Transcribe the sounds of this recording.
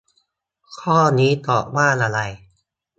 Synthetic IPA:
kʰɔː˥˩niː˦˥t̪ɔː˨˩k̚waː˥˩nʔa˧ɾa˧j

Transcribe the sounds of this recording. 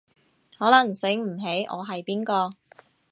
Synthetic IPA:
hɔː˨˥lɐ˨˩ŋsɪ˨˥ŋm̩˨˩ɦe˨˥jʔɔ̰ː˨˧ɦɐ˨jpiː˥nkɔː˧

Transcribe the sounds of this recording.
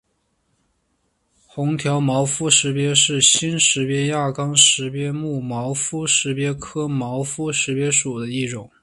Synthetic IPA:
xʊ˧˥ŋt̪ʰjɑ˧˥ʊmɑ˧˥ʊfu˥ʂɻ̩˧˥pjɛ˥ʂɻ̩˥˩ɕi˥nʂɻ̩˧˥pjɛ˥ja˥˩kɑ˥ŋʂɻ̩˧˥pjɛ˥mu˥˩mɑ˧˥ʊfu˥ʂɻ̩˧˥pjɛ˥kʰɤ˥mɑ˧˥ʊfu˥ʂɻ̩˧˥pjɛ˥ʂu˨˩d̪ə˦i˥˩ʈ͡ʂʊ˨˩˦ŋ

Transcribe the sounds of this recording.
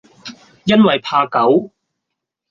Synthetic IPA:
jɐ˥nwɐ˨jpʰaː˧kɐ˨˥w

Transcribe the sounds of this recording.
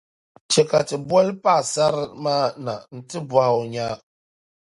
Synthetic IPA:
t͡ʃɛ˨ka˨tɨ˨bɔ˦lpa˦˨sa˦ɾmaː˦na˨n̩˦tɨ˦ba˨hʊ˨ɲaː˦

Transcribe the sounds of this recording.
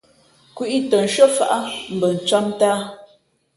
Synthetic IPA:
kwi˦ʔi˦tə˨n̩˨ʃə˦fa˨ʔa˦m̩˨bə˨n̩˨t͡swa˦mtaː˦

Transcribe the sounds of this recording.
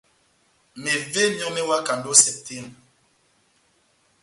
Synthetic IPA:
ne˨ve˦˨ɲɔ˦ŋne˦wa˦ka˨ndo˦sɛ˦te˦˨n

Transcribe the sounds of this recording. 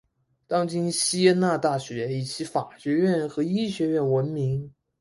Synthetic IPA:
t̪ɑ˥ŋt͡ɕi˥nɕi˥jɛ˥na˥˧t̪a˥˩ɕɥɛ˧˥i˨˩t͡ɕʰi˧˥fa˨˩ɕɥɛ˧˥ɥɛ˥˩nxɤ˧˥i˥ɕɥɛ˧˥ɥɛ˥˩nwə˧˥nmi˧˥ŋ

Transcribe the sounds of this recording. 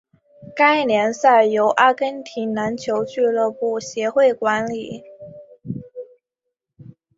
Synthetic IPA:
ka˥ɪnjɛ˧˥nsa˥˩jo˧˥ʊʔa˥kə˥nt̪ʰi˧˥na˧˥nt͡ɕʰjo˧˥ʊt͡ɕy˥˧lɤ˥˧pu˥˩ɕjɛ˧˥xwe˥˩ɪkwa˧˥nli˨˩˦

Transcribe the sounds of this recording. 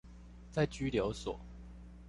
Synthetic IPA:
t͡sa˥˩ɪt͡ɕy˥ljo˧˥ʊswɔ̰˨˩˦

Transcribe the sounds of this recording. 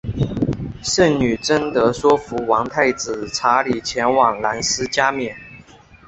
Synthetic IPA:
ʂə˥˩ŋny˨˩ʈ͡ʂə˥nt̪ɤ˧˥swɔ˥fu˧˥wɑ˧˥ŋt̪ʰa˥˩ɪt͡sɹ̩˨˩ʈ͡ʂʰa˧˥li˨˩t͡ɕʰjɛ˧˥nwɑ˨˩ŋla˧˥nsɹ̩˥t͡ɕja˥mjɛ˨˩n

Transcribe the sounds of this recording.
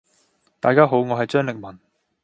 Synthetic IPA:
t̪aː˨jkaː˥ɦo˨˥wŋɔː˨˧ɦɐ˨jt͡ʃœː˥ŋlɪ˨k̚mɐ˨˩n

